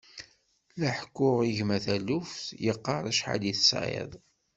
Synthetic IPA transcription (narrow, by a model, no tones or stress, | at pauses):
læħkːʊʁiʝmæθælufθjəqːɑɾˤæʃħa̰d̪iθəsʕḛðˤ